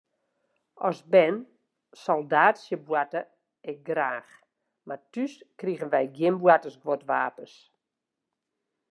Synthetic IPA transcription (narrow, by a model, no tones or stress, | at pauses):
ɔsbɛn | sɔlˠdaːtsjəbwatə | ɛk̚ɡraːx | matyskriɣənʋɛjɡjɪmbwatəsɡʋotʋaːpəs